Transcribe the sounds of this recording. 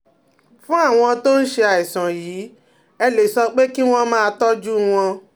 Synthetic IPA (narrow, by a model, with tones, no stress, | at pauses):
fũ˦a˦˨w̃ɔ̃˧to˦n̩˦ʃe˧a˨i˨sã˨jiː˨˦ | ɛ˧le˨sɔ˧k͡pe˦ki˦w̃ɔ̃˧mãː˦˧tɔ˦d͡ʒu˦w̃ɔ̃˧